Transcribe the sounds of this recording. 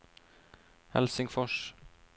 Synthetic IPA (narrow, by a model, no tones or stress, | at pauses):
hɛ̰lsɪŋfɔʃ